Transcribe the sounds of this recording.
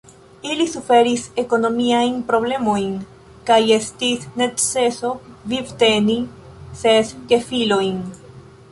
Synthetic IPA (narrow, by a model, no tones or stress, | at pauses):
ilisufe̞ɾise̞ko̞no̞miajnpɾo̞ble̞mo̞jn | kajestisne̞tse̞so̞vivte̞ni | seske̞filo̞jn